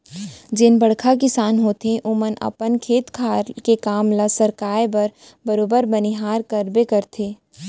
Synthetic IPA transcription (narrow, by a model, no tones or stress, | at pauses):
d͡ʒɪnbɐɽkʰak̬ɪsaːnɦoːt̪ẽʔʊmənɐ̰pənkʰeːt̪kʰaːɾkekaːmlasəɾkaːjbɐɾ | bɐɾoːbəɾbɐniɦaːɾkɐɾbekɐɾt̪ʰeː